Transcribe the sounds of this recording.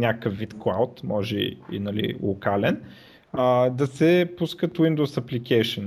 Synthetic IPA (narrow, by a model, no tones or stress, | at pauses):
nʲakkəfːit̪klˠa̰wt̪mɔʒɛ̰ḭnɐlḭlˠʊkalɛn | əd̪ɐsɛpuskət̪wind̪owsɐplikɛjʃən